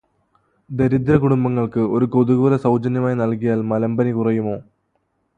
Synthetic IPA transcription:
d̪e̞ɾid̪ɾɐkuɽumbɐŋːɐɭkɨo̞ɾuko̞ðuɣɐlɐsɐwd͡ʑɐnjɐmaːjnɐlkijaːlmɐlɐmbɐnikurɐjumo̞ː

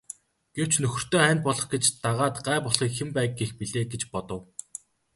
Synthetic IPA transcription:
ɡ̥ew̥t͡ɕnɵxɵ̆r̥t̪oːæːnt̪̚pɔɮɞ̆χɡet͡ɕt̪aʁaːt̪ɢæːpɔɮχiːkxempæːɡɡexpiɮeːɡet͡ɕpɔt̪ɞ̆w

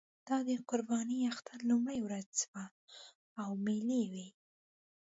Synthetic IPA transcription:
d̪̥ɑd̪əqʊɾbɑniaxt̪ʰaɾlumɽajwɾad͡zspa | awmelewi

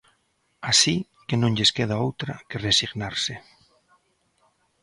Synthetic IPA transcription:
asi | kenõŋʎeskeð̞aowt̪ɾakeresiɣnaɾse

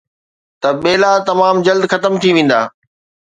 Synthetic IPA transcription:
t̪ɐɓeːlat̪ɐmaːmd͡ʑɐld̪xɐt̪əmt̪ʰiʋẽːn̆d̪a̰ː

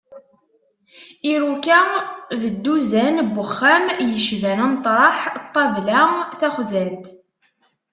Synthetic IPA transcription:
iɾukæðəd̪ːuzænbːəχːæmjəʃvænæmt̪ˤɾˤɑħt̪ˤːɑvlæθæχzænt̪

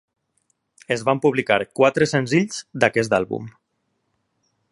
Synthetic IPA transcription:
ezβampuβlika̰ɾkwat̪ɾəsənziʎz̥d̪akɛs̬t̪alˠβṵm

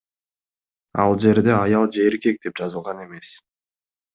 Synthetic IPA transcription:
ɑ̰lˠd͡ʒe̞ɾd̪e̞ɑjɑlˠd͡ʒe̞ːɾke̞k̚d̪e̞p̚d͡ʒɑzɯlˠʁɑne̞me̞s

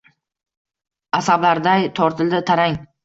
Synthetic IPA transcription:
asablaɾd̪ajt̪ʰɒɾt̪ʰɪld̪ɪt̪ʰaɾaŋ

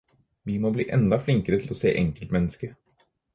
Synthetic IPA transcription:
ʋɪmoːbliːʔɛnd̪ɑflɪŋkəɾət̪ʰɪlɔsḛːʔɛŋkəlt̪mɛnːəskə

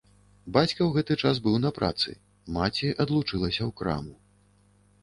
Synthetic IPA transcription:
bat͡sʲkɐwɣɛt̪ɨt͡ʂasbɨwnɐpɾʔa̰t̪sɨ̰ | mat͡sʲiʔɐd̪lˠut͡ʂɨlˠɐsʲɐwkɾa̰mu

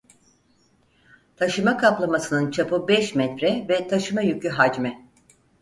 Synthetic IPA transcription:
t̪ʰaʃɯmakʰaplˠamasɯnɯnt͡ʃʰapɯbɛʃmɛt̪ɾɛvɛt̪ʰaʃɯmajycʰyɦad͡ʒmɛ

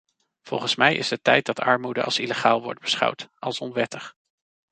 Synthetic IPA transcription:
v̥ɔlˠχənsmɛjɪ̰zətɛjt̚dɑtʰɑ̰ɹmudəʔɑ̰lˠsiləχaːlˠʋɔ̰ɹd̚bəsχɑ̰wtɑlˠsɔnʋɛtəχ

